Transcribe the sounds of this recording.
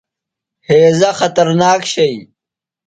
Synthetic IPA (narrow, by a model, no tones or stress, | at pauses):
heːzɐxɐt̪ɐɾnaːkɕɐj